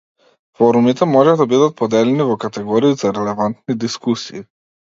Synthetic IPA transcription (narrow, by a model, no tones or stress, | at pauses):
fɔɾumit̪ɛmɔʒɛd̪abid̪at̪̚pɔd̪ɛlɛnivɔkat̪ɛɡɔɾiːzaɾɛlɛvant̪nid̪iskusiː